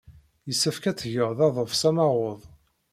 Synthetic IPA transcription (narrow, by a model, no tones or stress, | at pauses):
jəsːəfkæt͡sːʝəʁðɑðˤəfsæmɑʁoðˤ